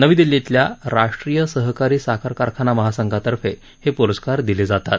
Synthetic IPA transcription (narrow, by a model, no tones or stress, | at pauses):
nəʋiːd̪ilːet̪ljaɾaʂʈɾijəsəɦkaɾiːsakʰaɾkaɾkʰanaməɦasəŋɡʱat̪əɾfe | hepuɾəskaɾd̪iled͡zat̪at̪